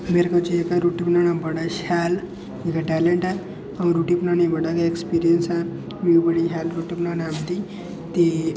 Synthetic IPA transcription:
meɾkət͡ɕiekaɾuʈipnanãmbəɽaɕal | ikaʈɛleɳʈa | ãɾuʈipnaneməɽakaekspiɾijənsã | ʋibəɽiɦalɾuʈipnanamt̪i | t̪e

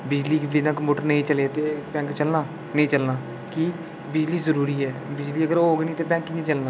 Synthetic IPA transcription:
bɪd͡ʒliːkiːnãːkmoːʈəɾnəĩːt͡ʃəleːt̪eːpɛ̃ːŋkt͡ʃəlnaː | nəĩːt͡ʃəlnaː | ki | bɪd͡ʒliːzəɾuːɾiːɛːbɪd͡ʒliːəɡəɾoːɡeːnĩːt̪eːbɛ̃ːŋkːnĩːt͡ʃəlnaː

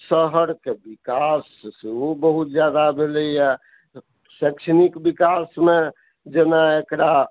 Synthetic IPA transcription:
səɦəɾkebikaseobəɦut̪̚d͡ʒjad̪abʱeləjɛ | sɛkt͡ʃʰnikbikasme | d͡ʒenaekɾa

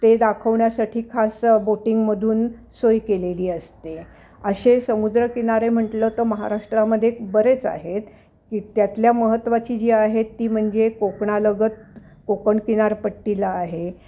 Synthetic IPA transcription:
t̪ed̪akʰəʋɳjasaʈʰiːkʰasboʈiŋɡməd̪ʱuːn | sojkeleliːəst̪e | əɕesəmud̪ɾəkinaɾem̤əɳʈlət̪əməɦa̰ɾaʂʈɾaməd̪ʱːjekbəɾet͡sa̰ɦet̪ | kiːt̪jat̪ljaməɦət̪ːʋat͡ɕiːd͡ʑiːaɦet̪ːiːm̤əɳd͡zekokɳaləɡət̪̚ | kokəɳkinaɾpəʈːilaːɦe

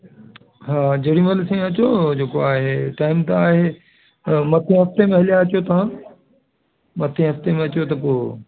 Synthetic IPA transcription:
ɦaːd͡ʑɐɽĩməlsẽɐt͡ɕod͡ʑeːkoaːɦeʈaːɪmt̪ɐaːɦe | mɐt̪ʰẽɦɐft̪emẽɦɐlijaɐt͡ɕjot̪ɐʋ̤ã | mɐt̪ʰẽɦɐft̪emẽɐt͡ɕjot̪ɐpoː

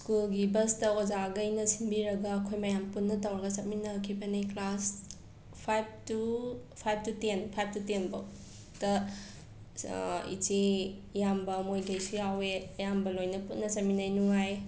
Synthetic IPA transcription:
skulɡibɐstɐozaɡɐjnɐsinbiɾɐɡɐːkʰojmɐjampunːɐtɐwɾɐɡɐsɐt̚minɐkʰibɐnejklas | pʰajb̚tupʰajb̚tutenpʰajb̚tutenbo | tɐ | ḭt͡ʃijambɐmojɡɐjsujaweɐjambɐlojnɐputnɐsɐt̚minajnuŋaj

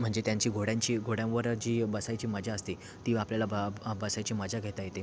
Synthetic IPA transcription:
m̤əɳd͡zet̪jaɲt͡ɕiːɡʱoɽjãɲt͡ɕiːɡʱoɽjãʋəɾd͡ʑiːbəsajt͡ɕiːməd͡ʑʱaəst̪i | t̪iːʋapljalabbəsajt͡ɕiːməd͡ʑʱaɡʱet̪ajet̪e

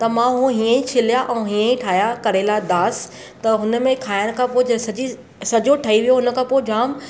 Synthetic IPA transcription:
t̪ɐmãɦũɦiːə̃ĩt͡ɕʰɪlijaʔɛ̃ũɦiːə̃ĩʈʰaːjakɐɾelaːd̪aːs | t̪ɐɦʊnə̆mẽkʰaːɪñ̆kʰãpoːɪd͡ʑɐsɐd͡ʑi | sɐd͡ʑoʈʰɐiʋijoɦʊnə̆kʰãːpoːɪd͡ʑaːm

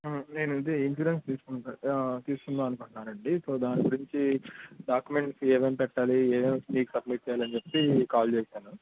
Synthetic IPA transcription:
ne̞ːnuid̪einʃuɾenst̪iːsu̥kut̪iːskunːaːɐnukuɳʈunaːnɐɳɖiso̞ːd̪aːniɡuɾiɲt͡ʃiɖaːkjume̞ɳʈseːʋeːmpɛʈːaːlieːʋeːmsniːkusɐbmiʈ̚t͡ʃɛjaːlɐnit͡ʃepːekaːlt͡ʃeːʃaːnu

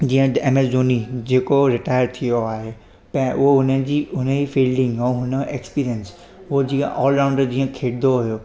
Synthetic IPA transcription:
d͡ʑiːə̃emezoːnid͡ʑeːkoɾɪʈaːjəɾt̪ʰijoaːɦe | pɛ̃oʊnə̃d͡ʑiʊnə̃ifiːlɖɪ̃ŋɡɔ̃ːɦʊnəʔekspiːɾijəns | od͡ʑiə̃ʔɔːlɾãwʊ̃ɳɖəɾd͡ʑiːə̃kʰeːɽd̪oɦʊjo

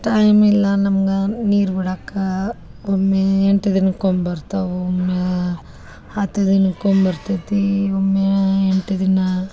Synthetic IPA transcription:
ʈɐjmilːɐnɐmɐɡɐniːɾbiɽakːɐ | omːeeɳʈɐd̪inɐkombɐɾt̪ɐomːe | aːt̪ɐd̪inɐkombɐɾt̪it̪iomːeeɳʈɐd̪inɐ

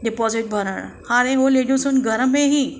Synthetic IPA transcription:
ɖipɔziʈ̚bʱəɾəɽ̰hãɾeɦoleɖusuːnɡʱəɾəmːẽɦi

